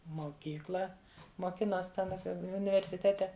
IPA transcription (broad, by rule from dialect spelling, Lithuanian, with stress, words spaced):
moːˈkʲiːklˠɐ moːˈkʲɪnoːsʲ tʲɛn ˈɑːpʲiɛ ʊnʲɪʋʲɛrʲsʲɪˈtʲæːtʲɛ